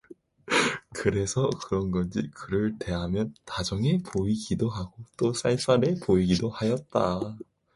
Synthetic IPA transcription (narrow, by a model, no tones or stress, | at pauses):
kɯɾe̞sʰʌkɯɾʌnɡʌnd͡ʑikɯɾɯɭte̞ɦamjʌntad͡ʑʌŋe̞pʰoiɡidoɦaɡot͈os͈ais͈aɾe̞poiɡidohajʌt̚t͈a